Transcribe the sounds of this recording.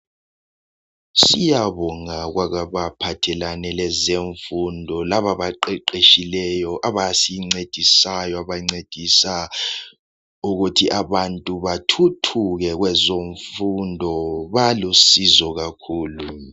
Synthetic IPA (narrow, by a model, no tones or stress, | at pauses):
sijaβɔŋaɣwaɣaβapʰatʰɛlanɛlɛzeɱfundʱɔlaβaβaǃɛǃeʃilɛjɔʔaβasiŋ͡ǀed̥ʱisajɔaβaŋ͡ǀed̥ʱisa | uɣutʰiʔaβantʼuβatʰutʰuɣɛɣwɛzoɱfundʱɔβalusizɔɣakʰuːlu